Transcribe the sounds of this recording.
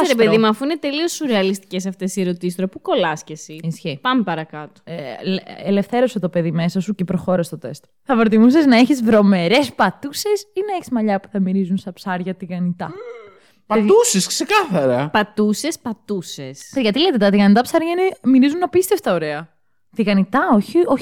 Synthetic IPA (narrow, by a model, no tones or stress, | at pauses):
ɾepeðimuɐfuinet̪eliosuɾeɐlist̪i̥ces̬ɐft̪e̞sieɾot̪isist̪ɾopuko̞lɐscesiisçepɐmepɐɾɐkɐt̪o̥lele̞fθe̞ɾo̞set̪o̞pe̞ðime̞sɐsucepɾoxo̞ɾɐst̪o̞t̪e̞st̪ | θɐfɾot̪imus̬eznɐeçizvɾo̞me̞ɾe̞spɐt̪use̞sinɐeçizmɐʎɐpu̥θɐmiɾizunst̪ɐpsɐɾʝɐt̪iɣɐnit̪ɐ | pɐt̪usesksekɐθɐɾɐpɐt̪use̞spɐt̪usesʝɐt̪ilet̪et̪ɐt̪iɣɐnit̪ɐpsɐɾʝɐinemiɾizunɐpist̪efst̪ɐoɾeɐ | t̪iɣɐnit̪ɐoçio